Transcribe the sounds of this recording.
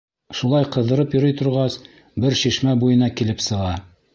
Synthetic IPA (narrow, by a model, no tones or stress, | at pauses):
ʃulˠɑjqɤ̆ðɤ̆ɾɤpjŏɾɤjt̪ŏɾʁɑs | bɘɾʃiʃmæbujɤ̆nɑkilɘpsɤ̆ʁɑ